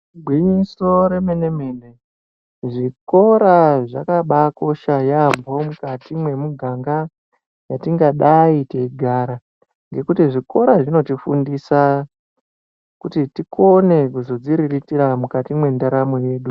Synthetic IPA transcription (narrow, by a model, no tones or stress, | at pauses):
ɡʱwiɲiso̞ɾe̞menemene | ʐiko̞ɾaʐakaɓako̞ʃajambo̞mukatimwe̞muɡʱaŋɡa | jatiŋɡaɗaiteiɡʱaɾa | ŋɡe̞kutiʐiko̞ɾaʐino̞tifundisa | kutitikʰo̞ne̞kuzo̞d͡ziɾiritiɾamukatimwe̞ndaɾamoje̞ːɗu